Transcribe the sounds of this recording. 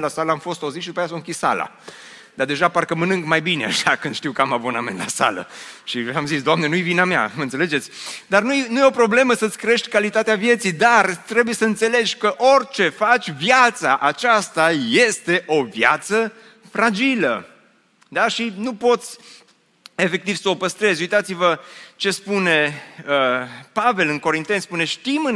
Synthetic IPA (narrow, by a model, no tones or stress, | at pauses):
lasaləamfo̞st̪auzit̪ʃid̪upajas̬okissa̰la̰ | d̪ard̪e̞ʒaparkəmənɨŋɡmajbinea̰ʃakɨnd̪̥ʃt̪iwkamabo̞namenla̰sa̰lə̰ʃiamzisd̪oamnenujvinamea̰məɨnseled͡ʒet̪sʲd̪arnujnujeopɾo̞ble̞məsət̪sʲkɾee̞ʃt̪ʲkalit̪at̪eavje̞t̪sijd̪art̪ɾe̞buje̞səɨnt̪se̞le̞d͡ʒʲkəʔo̞rʲt͡ʃe̞fat͡ʃʲvjat̪sa̰ʔat͡ʃast̪ajest̪e̞ʔo̞vja̰t̪sə | fɾad͡ʒilə̰ | d̪aʃinupo̞t̪sʲ | e̞fe̞k̚t̪iv̥səopəst̪ɾe̞zʲujt̪at̪sivət͡ʃe̞spune̞əpave̞lɨnko̞ɾint̪e̞nspune̞ʃt̪imɨn